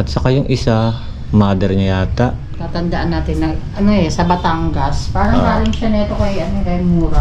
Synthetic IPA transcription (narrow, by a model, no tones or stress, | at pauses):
at̪sakajʊŋʔisa | mad̪ɛɾɲajaːt̪aʔ | t̪at̪and̪aʔanːat̪ɪnaɡanoɛsabat̪aŋɡaspaɾaŋpalɪŋʃanɛt̪okajanokajmuɾa